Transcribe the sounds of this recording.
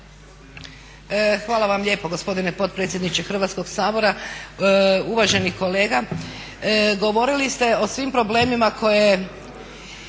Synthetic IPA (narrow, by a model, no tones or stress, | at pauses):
xʋaːlˠaʋamʎe̞ːpo̞ɡospo̞d̪ine̞po̞t̪̚pɾet̪sʲjed̪nit͡ɕexr̩ʋat̪sko̞ɡsaːbo̞ɾa | uʋaʒe̞niko̞le̞ːɡa | ɡo̞ʋo̞ɾilist̪e̞o̞sʋimpɾo̞ble̞ːmimakʰo̞je̞